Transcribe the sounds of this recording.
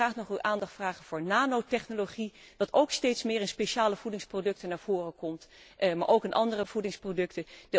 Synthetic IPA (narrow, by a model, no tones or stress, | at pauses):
raːχnɔχyʔaːndɑχtfraːχənv̥ʊːɹnaːnowtɛχnoloχidɑtowkstejtsmɪːɹənspeʃaːləv̥udɪŋsprodɵk̚tənaːɹv̥ʊːrəkɔmtma̰ːɹʔowkənʔɑ̰ndərəv̥udɪŋsprodɵktəd